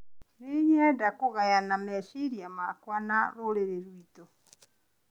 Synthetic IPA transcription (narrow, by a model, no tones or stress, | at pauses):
neɲɛdakoɣajanamɛʃiɾiamakwanaɾoɾeɾeɾwitɔ